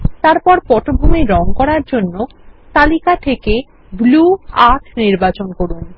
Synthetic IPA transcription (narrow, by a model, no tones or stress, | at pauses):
t̪aɾpɔɾpɔʈobʱumeɾɔŋkɔɾaɾd͡ʑonːo | t̪alikat̪ʰeke | bluaʈʰniɾbat͡ɕonkoɾun